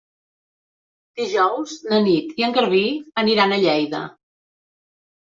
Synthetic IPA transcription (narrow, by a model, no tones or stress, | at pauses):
d̪̥iʒɔwznənit̪iəŋɡəɾβiəniɾanəʎɛjðə̰